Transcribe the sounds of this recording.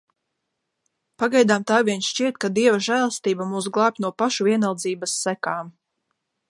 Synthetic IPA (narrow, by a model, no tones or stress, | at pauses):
paɡajd̪aːmt̪aːviɛnʃʃt͡ʃiɛt̪̚kad̪iɛvaʒæːlˠəst̪iːbamuːsɡlˠaːp̚ʲt̪ʲnuɔpaʃuviɛnalˠd̪ziːbasːækaːm